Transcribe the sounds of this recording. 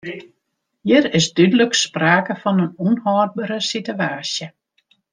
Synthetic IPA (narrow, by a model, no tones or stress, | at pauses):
jiəɾɪsdydələkspraːkəfɔnənunhɔːr̚bəɾəsityaːsjə